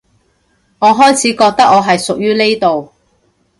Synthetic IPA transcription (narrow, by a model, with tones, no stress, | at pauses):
ŋɔː˨˧ɦɔː˥jt͡sʰiː˨˥kɔː˧k̚t̪ɐ˥k̚ŋɔː˨˧ɦɐ˨jsʊ˨k̚jyː˥ne˥jt̪o˨w